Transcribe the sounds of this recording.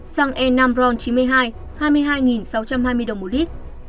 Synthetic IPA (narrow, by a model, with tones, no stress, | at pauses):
saː˧ŋʔɛ˧nːa˧mzɔ˧nt͡ɕi˨˦nmɨ˧əjɦaː˧j | haː˧jmɨ˧əjɦaː˧jŋi˨˩nsa˨˦wt͡ɕa˧mhaː˧jmɨ˧əjɗə˨˩ŋ͡mmo˨˩li˦˥k̚